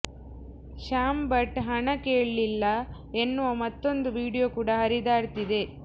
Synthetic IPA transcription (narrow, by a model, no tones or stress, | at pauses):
ʃaːmbɐʈɦɐɳɐkeːɭlilːɐ | enːuʋɐmɐt̪ːo̞nd̪uʋiːɽijokuːɽɐɦɐɾid̪aːɽt̪id̪e̞